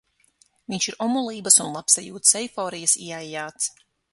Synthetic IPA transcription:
viɲʲʃiɾɔmulˠiːbəsunlˠapsajuːt̪sɛjfɔːɾijasḭɛajjaːt̪s

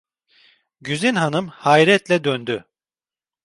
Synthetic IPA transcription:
ɟyzynɦanɯmhajɾɛt̪lʲɛd̪ønd̪y

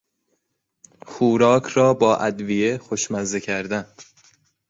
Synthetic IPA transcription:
xuːɾɒːkʰɾɒːbɒːʔæd̪vijexoʃmæzecʰæɾd̪æn

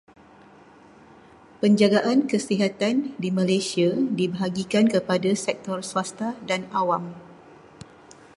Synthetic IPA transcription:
pəɲd͡ʒaɡaʔankəsiɦat̪andimãlajsiadibəɦaɡikankəpadasɛk̚t̪ɔrsuast̪adanawam

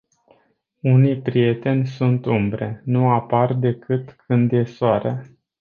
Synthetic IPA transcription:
unijpɾije̞t̪e̞nʲsunt̪umbɾe̞nuapard̪e̞kɨt̪kʰɨnd̪je̞soaɾea

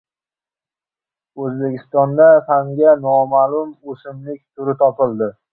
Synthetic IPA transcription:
ɵzbe̞kʲɪst̪ɒnd̪afaŋɡʲanɒmalʊmosɪmlɪkʲt̪ʰʊɾɪt̪ʰɒpɪlˠd̪ɪ

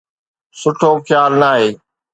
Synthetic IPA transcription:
sʊʈʰoːkʰjaːlnaːɦeː

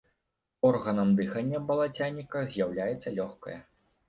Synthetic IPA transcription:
ɔrɣɐnɐmd̪ɨxɐnʲːɐbɐlˠat͡sʲanʲːikɐzʲjawlʲajɛt̪sːɐlʲɔxkɐ̰jɛ

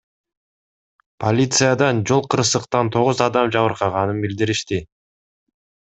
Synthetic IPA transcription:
pʰolʲit̪sɨjad̪ɑnd͡ʒo̞lˠqɯɾsɯqt̪ɑnt̪ʰo̞ʁuzɑd̪ɑmd͡ʒɑβɯɾqɑʁɑnɯnbild̪iɾiʃt̪i

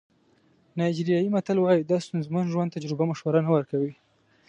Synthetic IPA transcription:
nɑjd͡ʒɾijɑjimat̪alwɑjid̪ɑst̪unzmanʒwand̪t̪ad͡ʒɾɪbamaʃwaɾanawəɾkawi

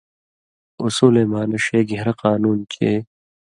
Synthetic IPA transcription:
ʊsuːleːmaːnɐʃeːɡeɦɾɐqaːnuːnkʰeː

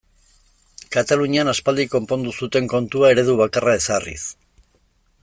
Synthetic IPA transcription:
kat̪aluɲianaspald̪iko̞mpo̞nd̪usut̪e̞ŋko̞nt̪uae̞ɾe̞ðuβakarae̞sarḭs

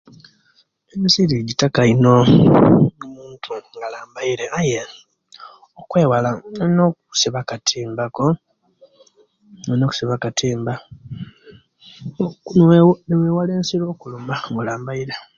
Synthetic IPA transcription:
emisiɾiɟitakaino̞ | nomuːntʰuŋɡalaːmbaiɾeʔaje | okwe̞ːwalano̞ːku̥siβakatʰiːmbako̞ | eno̞ːku̥siβakatʰiːmba | nneweːwale̞ːnsiɾo̞ːkulomaŋɡolaːmbaiɾe

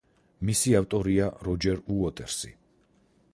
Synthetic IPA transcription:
misiaft̪ʼɔɾiaɾɔd͡ʒɛɾuɔt̪ʼɛɾsḭ

